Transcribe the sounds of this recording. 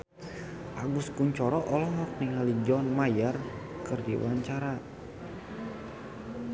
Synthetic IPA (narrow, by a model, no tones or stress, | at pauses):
ʔaɡuskuɲt͡ʃɔɾɔʔɔlɔɦɔk̚niŋalid͡ʒɔnmajərkɨrdḭwaɲt͡ʃaɾa